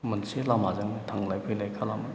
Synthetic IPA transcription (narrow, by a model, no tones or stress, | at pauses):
mənselamazaŋnitʰaŋlajpʰɯjlajkʰalama